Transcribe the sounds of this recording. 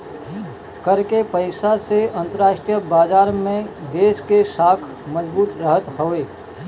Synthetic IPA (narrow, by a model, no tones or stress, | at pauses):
kəɾkepəɪsaseɐ̃nt̪əɾaːʃʈɾijəbaːd͡ʒaːɾmẽd̪eːskesaːkʰ | məd͡ʒbuːt̪ɾəɦət̪hoːeː